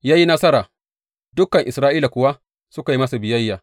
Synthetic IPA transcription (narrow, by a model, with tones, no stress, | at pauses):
jaː˦ji˦nɐ˦sɐ˦ɾaː˨ | dʊ˦kːɐ˨ŋʔɪ˨sɾaː˦ʔiː˦la˨kʷʊ˨wa˦ | sʊ˦ka˨ji˦mɐ˦su˨bɪ˨jɐ˦jːaː˨